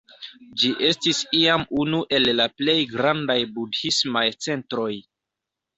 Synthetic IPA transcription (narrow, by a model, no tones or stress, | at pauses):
d͡ʒiʔe̞stisiamunuʔe̞lːaple̞jɡɾandajbudhismajt͡se̞ntɾo̞j